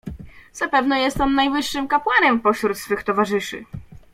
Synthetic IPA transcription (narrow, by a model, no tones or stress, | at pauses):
z̥apɛvnɛjɛst̪ɔmnajvɘʂːɘmkapwanɛmpɔɕɾut̪sfɘxt̪ɔvaʐɘʂɘ̰